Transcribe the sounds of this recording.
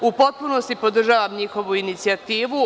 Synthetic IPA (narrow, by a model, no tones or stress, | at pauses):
upo̞t̪̚puno̞st̪ipo̞d̪r̩ʒaːʋamɲixo̞ʋuinit̪siat̪iːʋu